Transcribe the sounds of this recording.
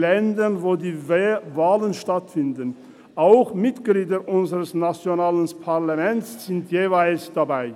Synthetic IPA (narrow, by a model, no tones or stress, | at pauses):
lɛndənvoːdiːvaːlənʃtatfɪndən | ʔaʊxmɪtɡ̥liːdəʔʊnzəʁəsnat͡sjonaːlənpʰaʁlamɛntsz̥ɪntʰjeːvaɪlsd̥abaɪ